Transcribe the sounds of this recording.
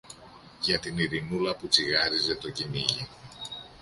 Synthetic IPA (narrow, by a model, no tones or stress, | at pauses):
ʝɐt̪iniɾinulɐput͡siɣɐɾize̞t̪o̞ciniʝi